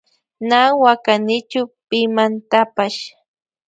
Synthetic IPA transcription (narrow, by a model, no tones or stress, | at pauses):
naːwakanɪt͡ʃʊpɪmant̪apaʃ